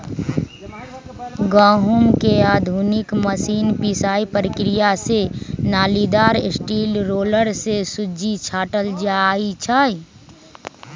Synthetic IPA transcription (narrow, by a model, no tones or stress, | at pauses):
ɡaːɦumkeaːd̪ʱuːnɪkməsiːnpisaːipɾəkɾijasenaːlid̪aːɾɪsʈiːlɾoːləɾsesʊd͡ʒit͡ʃʰaːʈəld͡ʒait͡ʃʰaːi